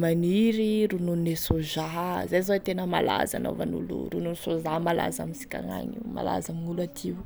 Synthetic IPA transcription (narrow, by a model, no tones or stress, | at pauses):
maniɾiɾununnesozaɦzazot̪enəmala̰zano̰vanṵlṵɾununisozaɦmala̰zamisi̥kʲa̰ŋa̰ɲima̰la̰zaminulat̪ʰiw